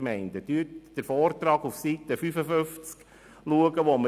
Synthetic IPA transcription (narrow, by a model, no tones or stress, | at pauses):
mɛɪnd̥əd̥yətd̥əɾfɔːrt̪ɾɑːɡufsit̪əfyfəføft͡sk | luəɡəʋɔmə